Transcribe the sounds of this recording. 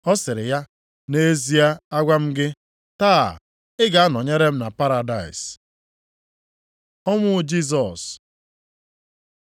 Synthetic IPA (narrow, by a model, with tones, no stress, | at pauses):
ɔ˦sɪ˨ɾɪ˨ja˦ | ne˦e˦zi˦a˦a˦ɡʷa˦m̩˦ɡɪ˦ | taː˦˨ | ɪ˦ɡa˨a˦nɔ˨ɲe˦ɾe˦m̩˦na˨pa˦ɾa˨da˨ɪ̰˨s | ɔ˦mʷʊ˦d͡ʒi˦s̬ɔ˨s